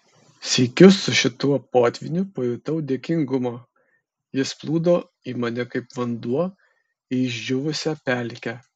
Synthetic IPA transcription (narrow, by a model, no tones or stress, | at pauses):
sʲɛɪkʲʊsːʊʃʲɪt̪uɔpoːt̪ʲʋʲɪnʲʊpɔjʊt̪ɐʊd̪ʲeɛkʲɪŋɡʊmo | jɪsplˠuːd̪oː | iːmɐnʲɛkɐɪpʋɐnd̪uɔ | ɪɪʒʲd͡ʒʲʊʋʊsʲɛpʲæˑlʲkʲɛ